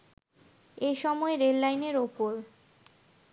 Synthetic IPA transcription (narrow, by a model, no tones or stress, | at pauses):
ejʃɔmɔeɾelːajneɾopoɾ